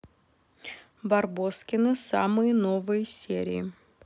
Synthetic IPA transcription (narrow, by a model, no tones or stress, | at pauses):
bɐrboskʲɪnɨsa̰mɨjənovɨjəsʲḛɾʲɪ̰ɪ